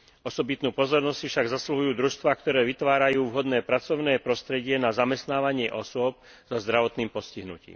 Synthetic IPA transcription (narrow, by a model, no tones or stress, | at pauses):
ɔsɔbit̪nuːpɔzɔɾnɔssifʃaɡzasluɦujuːd̪ɾuʃst̪ʋaːkt̪ɔɾɛːʋit̪ʋaːɾajuːʋɦɔd̪nɛːpɾat͡sɔʊnɛːpɾɔst̪ɾɛɟɪɛnazamɛst̪naːʋaɲɪɛʔɔsʊɔp̚ | z̥ɔzd̪ɾaʋɔt̪niːmpɔsciɦnṵcḭːm